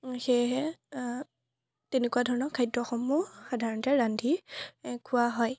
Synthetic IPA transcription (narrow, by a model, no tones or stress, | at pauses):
xeɦɛ | tenekuadʱɔɹɔnɔkʰajdɹɔxɔmːuxadʱaɹɔntɛɹandʱikʰʊwaɦɔj